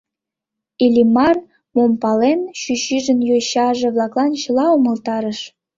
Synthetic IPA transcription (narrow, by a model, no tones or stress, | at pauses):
ilʲimɑr | mompɑlenɕyɕyʒənjojɕɑʒĕβlˠɑklˠɑnt͡ɕə̆lɑomə̆lt̪ɑɾəʃ